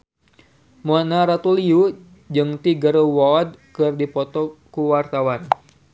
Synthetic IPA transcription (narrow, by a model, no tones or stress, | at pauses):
muanaɾat̪uliu | d͡ʒɨŋt̪iɡərwɔɔd̚kɨrdipɔt̪ɔkuwart̪awan